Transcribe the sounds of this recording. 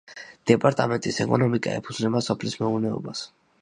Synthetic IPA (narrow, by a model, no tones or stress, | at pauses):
d̪̥ɛpʼaɾt̪ʼamɛnt̪ʼisɛkʼɔnɔmikʼa̰ɛ̰pʰud̪znɛbasɔpʰlismɛuvnɛɔ̰bas